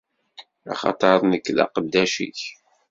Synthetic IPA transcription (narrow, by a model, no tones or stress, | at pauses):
ɑ̰χɑ̰t̪ˤəɾˤnəkːlɑ̰qəd̪ːæʃḭç